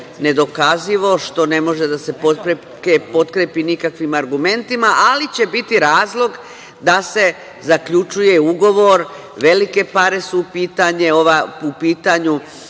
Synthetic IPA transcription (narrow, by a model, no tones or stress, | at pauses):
ne̞d̪o̞kaziʋo̞ʃt̪o̞ne̞mo̞ʒe̞d̪ase̞pot̪pɾe | kepo̞t̪kɾepinikakʋimaɾɡume̞nt̪imaʔalit͡ɕe̞bit̪iɾaːzlˠo̞ɡ | d̪ase̞ | zakʎut͡ʃuje̞uɡo̞ʋo̞ɾ | ʋe̞like̞paɾe̞suːpiːt̪aɲe̞o̞ʋaupiːt̪aɲu